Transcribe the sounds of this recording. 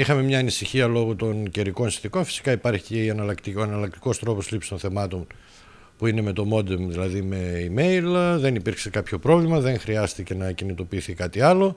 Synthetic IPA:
ixɐme̞mɲɐːnisiçiɐlo̞ɣot̪o̞nceɾiko̞nsinθiko̞nfi̥si̥kɐipɐɾçiceiɐnɐlɐkt̪oɐnɐlɐk̚t̪i̥ko̞st̪ɾo̞poslipst̪o̞nθe̞mɐt̪o̞n | puine̞me̞t̪o̞mo̞d̪emðilɐðime̞ime̞jlðe̞nipiɾkse̞kɐpço̞pɾo̞vlimɐðe̞ŋxɾiɐst̪ice̞nɐcinit̪o̞piːθikɐt̪iɐlo̞

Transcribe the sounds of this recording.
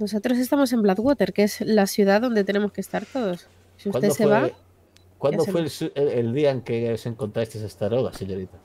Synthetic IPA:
no̞s̬o̞t̪ɾo̞s̬e̞st̪amo̞s̬e̞mblaðwot̪e̞ɾke̞zlasjuðaðo̞nd̪e̞t̪ene̞mo̞skest̪aɾt̪o̞ðos | siusaneseβa | kwand̪ofwelsueld̪iaeŋkeose̞ŋkont̪ɾast̪esest̪aɾoða̰seɲoɾit̪a

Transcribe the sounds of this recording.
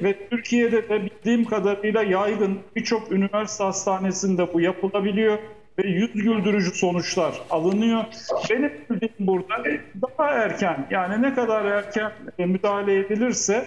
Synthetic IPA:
vɛt̪ʰyɾcʰijed̪ɛd̪ɛbilʲd̪iːmkʰad̪aɾɯjlˠajajɡɯnbit͡ʃʰo̞kynivæɾsit̪hast̪ʰaːne̞sind̪ɛbujapʰɯlˠabilʲijo̞ | vɛjyzɟylʲd̪yɾyd͡ʒyso̞nut͡ʃlˠaɾalˠɯnɯjobe̞nimbilʲd̪iːmbuɾd̪aɛd̪aɦaæɾcʰænjaːninɛkad̪aɾæɾcʰænmyd̪aːɦalʲe̞jebilʲiɾsɛ

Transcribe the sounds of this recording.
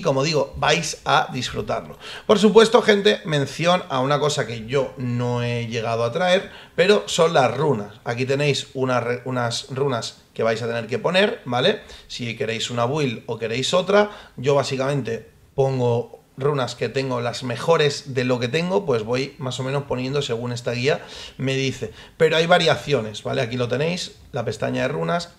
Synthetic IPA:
ko̞mo̞ðiɣ̞o̞bajsaðisfɾut̪aɾlo̞̰po̞ɾs̬upwe̞st̪o̞xe̞nt̪e̞mẽ̞n̟θjo̞naunako̞sake̞ʝo̞no̞eʝe̞ɣ̞að̞oat̪ɾae̞ɾpe̞ɾo̞so̞nlasrunasakit̪̬e̞ne̞jsunareunasrunas | ke̞β̞ajsat̪e̞ne̞ɾke̞po̞ne̞ɾbale̞sike̞ɾe̞jsunaβwilo̞ke̞ɾe̞jso̞t̪ɾaɟ͡ʝo̞βasikamẽ̞nt̪e̞ | po̞ŋɡo̞ | runaske̞t̪e̞ŋɡo̞lazme̞xo̞ɾe̞zðe̞lo̞ke̞t̪e̞ŋɡo̞pwe̞zβo̞jmas̬o̞mẽno̞spo̞njẽ̞nd̪o̞se̞ɣ̞une̞st̪aɣ̞iame̞ð̞iθe̞ | pe̞ɾoajβ̞aɾiaθjo̞ne̞zβa̰le̞akilo̞t̪e̞ne̞js | lape̞st̪a̰ɲaðe̞runas

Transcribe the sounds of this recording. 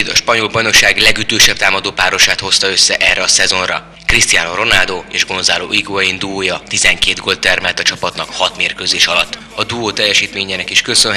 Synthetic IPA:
d̪ɒʃpɒɲo̞lbɒjno̞kʃaːɡlɛɡyt̪øːʃɛp̚t̪aːmɒd̪oːpaːɾo̞ʃaːt̪ho̞st̪ɒø̞sːɛʔɛrːɛɒsɛzo̞nrɒ | krist̪ijaːnoro̞naːld̪oːeːʒɡo̞nzaːlo̰ːʔiɡoɒjind̪uoːjɒt̪izɛŋkeːd̪ɡo̞lt̪ːɛrmɛlt̪ɒt͡ʃɒpɒt̪nɒkhɒt̪meːrkøzeːʃɒlɒt̪ː | ɒd̪uoːt̪ɛjːɛʃiːt̪meːɲɛnɛkiʃkø̞søn

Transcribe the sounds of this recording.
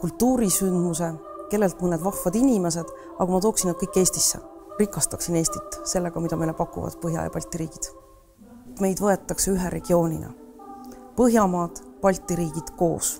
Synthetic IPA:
kult̪ːuːɾisynd̪̥muse̞ | ke̞lːe̞lt̪̚mɯned̪vɑfvɑd̪̥inʲime̞s̬e̞d̪̥ | ɑkɑmɑt̪o̞ːksinːɑd̪̥̚kɤjkːˑe̞ːsʲt̪isːḛrikːˑɑst̪ɑksine̞ːst̪i̥t̪ːˑse̞lːe̞ɡ̥ɑmid̪ɑmejlepɑkˑːṵvɑ̰d̪̥pɤɦjɑ̰jɑ̰pɑlʲt̪ˑːiɾiːɡ̥id̪̥ | t̪me̞jd̪vɤe̞t̪ːˑɑkseyɦeɾe̞ɡ̥io̞ːnʲḭnɑ̰ | pɤɦjɑmɑːd̪̥pɑlʲt̪ˑːiɾiːɡ̥id̪̥ko̞̰ːs

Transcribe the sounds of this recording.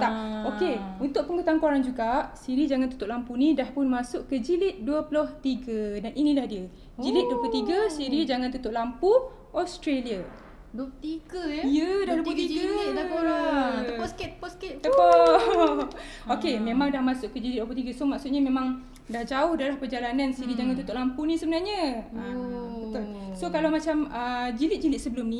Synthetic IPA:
t̪aokeunt̪ʊʔ̚pəŋɡut̪aŋkaɾaŋd͡ʒuɡaʔsiɾid͡ʒaŋant̪u̥t̪ʊʔlampunĩdahpʊnmasʊʔkəd͡ʒilɪt̪̚duəplʊht̪iɡədaninĩlahdiə | d͡ʒilɪt̪̚duəplʊt̪iɡəsiɾid͡ʒaŋant̪ut̪ʊʔlampu | ɔst̪ɾelia | t̪iɡəjədadut̪̬ut̪iɡə | ɔsk̪pɔskɪt̪t̪əpo | okemẽmãŋdahmasʊʔkəd͡ʒilit̪̚duwəplut̪iɡəsomaksut̪̚ɲamẽmãŋ | dahd͡ʒaʊhdalahpərd͡ʒalanansiɾid͡ʒaŋant̪ut̪ʊʔlampunisəbənarɲəəbət̪ʊlsokalawmat͡ʃaməd͡ʒilɪt̪̚d͡ʒilɪt̪̚səbəlʊmni

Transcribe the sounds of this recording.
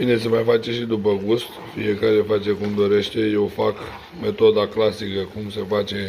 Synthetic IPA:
bine̞semajfat͡ʃe̞ʃid̪upəɡust̪ | fḭje̞kaɾe̞fat͡ʃe̞kumd̪o̞ɾe̞ʃt̪e̞je̞wfak | me̞t̪o̞d̪aklasikəkumse̞fat͡ʃe̞

